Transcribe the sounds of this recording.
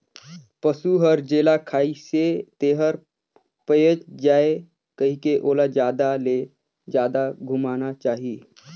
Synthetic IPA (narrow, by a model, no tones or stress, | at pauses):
pəsuɦəɾd͡ʒeːlakʰaːiset̪eɦəɾ | pəjət͡ʃd͡ʒaːe | kəɦikeʔoːlad͡ʒjaːd̪ale | d͡ʒjaːd̪aɡʱumaːnat͡ʃaːɦi